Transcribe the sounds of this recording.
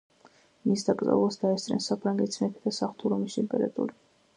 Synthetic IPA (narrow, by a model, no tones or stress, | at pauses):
misd̪akʼza̰vlˠasd̪aɛst̪ʼɾɛ̰nsapʰɾaŋɡɛt̪sʰmɛt̪ʰid̪asaχt̪ʰuɾɔmist̪ʼɛmpʼɛɾa̰t̪ʼṵɾi